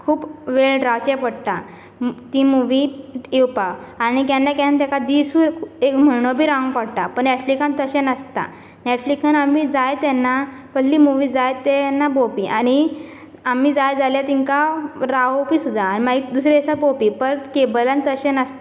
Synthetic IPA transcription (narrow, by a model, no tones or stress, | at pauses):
kʰuːpʋeɭɖɾawt͡ɕɛpəɽʈ̪a | t̪imuʋiewpaːñikãnːakɛ̃nt̪jãkad̪isuekm̤əɳ̃obʱiːɾãŋɡpəɽt̪apəɳːɛʈflikãnt̪əɕɛnəst̪a̰ | nɛʈflikanamid͡zajt̪ɛnːa | kəlliːmuʋid͡zajt̪ɛnːabopiʔaɽ̃i | am̤iːd͡zajd͡zaljat̪iŋkaɾawpiːsud̪ʱaːñimaɡid̪usɾesabopipəɾkebəlãnt̪əɕɛnəst̪a